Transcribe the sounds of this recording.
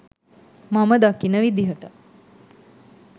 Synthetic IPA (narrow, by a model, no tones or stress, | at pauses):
maməd̪akinəʋid̪iɦəʈə